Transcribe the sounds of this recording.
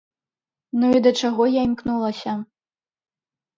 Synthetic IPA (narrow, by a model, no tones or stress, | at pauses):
nuid̪ɐt͡ʂaɣɔjaimknulˠɐsʲɐ